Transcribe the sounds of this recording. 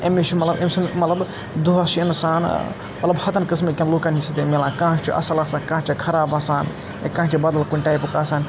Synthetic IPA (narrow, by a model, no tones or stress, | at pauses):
emet͡ʃʰimɐt̪lɐbemsɐnmɐt̪lɐb | d̪uɦɐsiinsaːn | mɐt̪lɐbhɐt̪ɐnkɨsmekʲãnloːkanisʰit̪emelãːkãːɦt͡ʃʰiʔɐ̰sɐlɐsaːkãːt͡ʃʰikʰɐɾaːbɐsaːn | ḛkãːɦt͡ʃʰibɐd̪ɐlkunʲʈaːjpkaːsaːn